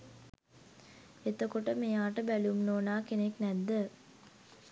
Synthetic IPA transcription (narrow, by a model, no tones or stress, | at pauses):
et̪əkoʈəmejaːʈəbælumnoːnaːkeneknæd̪ːə